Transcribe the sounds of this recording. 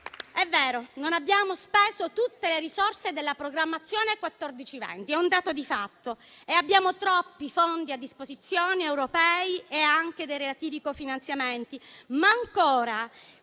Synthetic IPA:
ɛvːɛːɾononabːjaːmospeːzot̪ut̪ːeleɾisorsed̪elːapɾoɡɾamːat̪sːjoːnekwat̪ːɔrd̪it͡ʃivɛ̰nt̪iɛund̪aːt̪od̪ifat̪ːo | eabːjaːmot̪ɾɔpːifond̪iad̪ːispozit̪sːjoːniewɾopɛːieaŋk̟ed̪ejɾelat̪iːvikofinant̪sjament̪imaːŋkoːɾa

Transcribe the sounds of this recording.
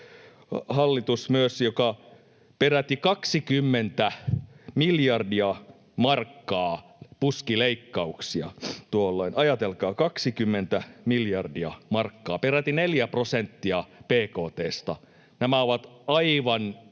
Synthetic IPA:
hɑlːit̪usmyøsjokɑ | peræt̪ikɑksikymːent̪æmiljɑrdiɑ | mɑrkːɑːpuskileikːɑuksiɑ̰t̪uolːoinɑjɑt̪elkɑːkɑksikymːent̪æmiljɑrdiɑmɑrkːɑːperæt̪ineljæprosent̪ːiɑpeːkoːt̪eːst̪ɑ | næmæoʋɑt̪ɑiʋɑn

